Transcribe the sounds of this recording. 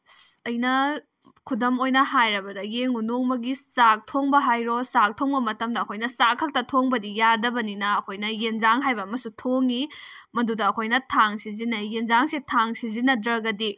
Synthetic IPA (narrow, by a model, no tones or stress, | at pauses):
ɐjnɐ | kʰudɐmojnɐhajɾɐbɐdɐjeŋunoŋmɐɡisak̚tʰoŋbɐɦajɾosak̚tʰoŋbɐmɐtɐmdɐːkʰojnɐsakʰːɐk̚tɐtʰoŋbɐdijadɐbɐninɐːkʰojnɐjenzaŋɦajbɐːmɐsutʰoŋi | mɐdudɐːkʰojnɐtʰaŋsizinɐjenzaŋsetʰaŋsizinɐdɾɐɡɐdi